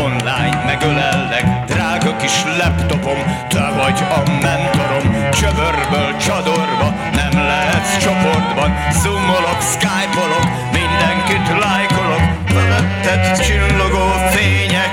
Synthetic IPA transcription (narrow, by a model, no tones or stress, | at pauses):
onlaːjnmɛɡølɛlːɛɡd̪raːɡɒkiʃlɛpt̪o̞po̞m | d̪ɛvɒɟɒmɛnt̪o̞ɾo̞mt͡ʃøvørbøːlt͡ʃɒd̪o̞rvɒ | nɛmlɛɦɛt̪t͡ʃo̞po̞rd̪bɒnzumolo̞kskaːjpolo̞k | mind̪ɛŋkit̪laːjko̞lo̞m | føvɛt̪ːɛt̪t͡ʃilːoɡoːfeːɲɛk